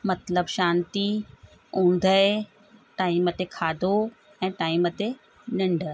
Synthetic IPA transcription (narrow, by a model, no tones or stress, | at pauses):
mɐt̪ləbʃãːnt̪i | ũːn̆d̪ʱəe | ʈaːimət̪ekʰaːd̪ʱo | ɛ̃ːʈaːimət̪e | nɐ̃ɳɖʱə